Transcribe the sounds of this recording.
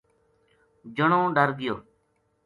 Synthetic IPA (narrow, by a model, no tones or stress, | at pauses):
d͡ʒəɳõːɖəɾɡɪjoː